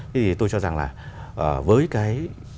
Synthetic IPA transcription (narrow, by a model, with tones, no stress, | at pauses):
t̪ʰe˨˦t̪ʰi˨˩t̪o˧jt͡ɕɔ˧za˨˩ŋlaː˨˩ʔəː˨˩vəː˨˦jkaː˨˦j